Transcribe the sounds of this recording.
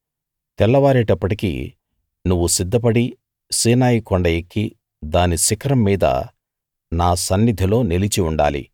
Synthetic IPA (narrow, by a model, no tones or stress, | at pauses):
t̪ɛlːɐʋaːɾeːʈɐpːɐʈikḭ | nuʋːusid̪ːɐp̬ɐɽi | siːnaːjikɔɳɖɐekːi | d̪aːnisikɐɾɐmːiːd̪ɐ̰ | naːsɐnːid̪ʱilo̞ːnilit͡ʃiuɳɖa̰ːlḭ